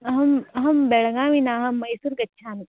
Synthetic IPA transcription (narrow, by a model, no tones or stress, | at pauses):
ɐɦɐmɐɦɐmbeɭɐɡaːʋinaːɦɐmːɐjsuːɾkɐtːʃʰaːni